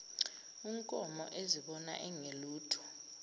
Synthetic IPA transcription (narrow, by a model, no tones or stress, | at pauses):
iŋkʼɔmɔ̰ʔeziɓɔna̰ʔɛŋeluːtʰu̥